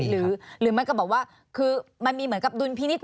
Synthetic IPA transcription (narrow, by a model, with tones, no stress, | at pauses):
ɾɯː˨˩˦ɾɯː˩˦ma˧nkbɔː˨˩k̚waː˥˩ | kʰɯː˧ma˧nmiː˧mɯ˩˦nka˨˩p̚du˧npʰiː˥˩ni˦˥t̪̚